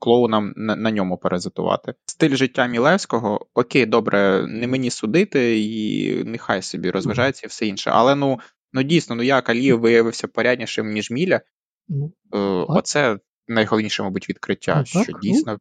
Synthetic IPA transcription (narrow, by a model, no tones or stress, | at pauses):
klˠɔʊnɑmnnɐnʲɔmʊpeɾezɪt̪ʊ̰ʋɑ̰t̪ɪst̪ɪlʲʒɪtʲːamʲilˠɛwsʲkɔɦɔɔkʲejd̪ɔbɾɛnɛmenʲisʊd̪ɪt̪ɪḭnɛxɑjsɔbʲiɾʔɔzʋɐʒɑjet͡sʲːɐiwsɛinʃɛ̰ʔɐ̰lˠɛnu | nudʲijsʲnɔnujakɐlʲiʋɪjɐʋɪwsʲɐpɔɾʲadʲnʲiʃɪmnʲiʒmʲilʲɐ | ɔt̪sɛ | nɐjɦɔlˠɔʋnʲiʃɛmɐjbutʲʋʲid̪kɾɪtʲːa̰ʃt͡ʃɔdʲijsnɔ